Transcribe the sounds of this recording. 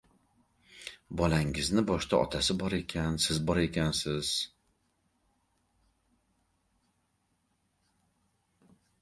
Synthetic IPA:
bɒlaŋɪznɪbɒʃt̪ʰaʔɒ̰t̪ʰasɪbɒɾe̞kʲʰansɪzbɒɾe̞kʲansɪz̥

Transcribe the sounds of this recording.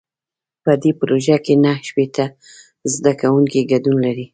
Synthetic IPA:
pəd̪epɾoʒakenahʃpet̪a | zd̪akawuŋkiɡadunlaɾi

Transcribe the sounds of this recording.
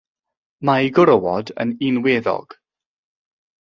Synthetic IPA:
majɡʊɾəwɔdə̰ninweðɔ̰ɡ̥

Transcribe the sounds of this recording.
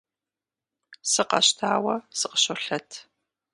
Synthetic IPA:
sɨqɐ̰ɕtʰaːwɐsɨqə̥ɕoɬɐtʰ

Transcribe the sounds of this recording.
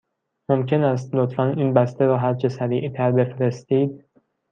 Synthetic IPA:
momcʰe̞næst̪lot̪ʰfæniːnbæst̪eɾɒːɦæɾt͡ʃʰesæɾiːʔt̪ʰæɾbe̞fɾe̞st̪iːd̪̚

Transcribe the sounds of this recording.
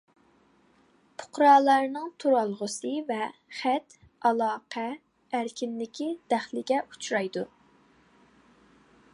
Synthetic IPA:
pʰʊ̥qɾɑːlˠɑɾnɨŋt̪ʰuɾɑlˠʁʊsɨvɛχæt̪ | ɑlˠɑːqʰɛː | ɾkʲʰinlɪkʲʰid̪æχlɪɡʲɛʔu̥t͡ʃʰɾɑjd̪u

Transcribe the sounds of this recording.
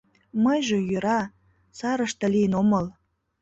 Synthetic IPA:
məjʒejøɾɑ | sɑɾəʃt̪ɤ̆lijənoməl

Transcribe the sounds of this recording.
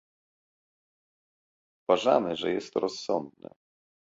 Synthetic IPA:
uvaʐamɘʐɛjɛst̪ɾɔsːɔnd̪nɘ̰

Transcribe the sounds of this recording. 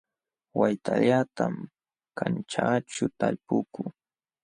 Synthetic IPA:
wajt̪ʰaʎat̪am | kʰant͡ʃaːʈ͡ʂʊt̪aʎpʊkʊ

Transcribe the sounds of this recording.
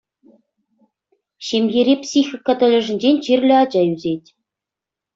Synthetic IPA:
ɕemʲjeɾʲepsʲixʲikːɤt̪ɤ̆lʲɘ̆ʐɘ̆nʲd͡ʑenʲt͡ɕirʲlʲɘ̆ɑd͡ʑɑyzʲetʲ

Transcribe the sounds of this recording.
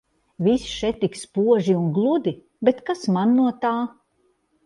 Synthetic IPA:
visʃɛt̪ːikspuɔʒiuŋɡlˠud̪i | bet̪kasmanːuɔt̪aː

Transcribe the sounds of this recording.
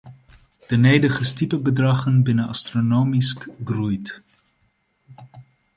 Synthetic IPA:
d̥ənejdəχəstipəbədrɑχənbɪnənɑ̰stronowmiskɡrujt

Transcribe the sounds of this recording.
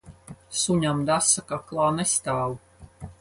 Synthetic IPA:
suɲʲamd̪asakaklˠaːnɛst̪aːlu

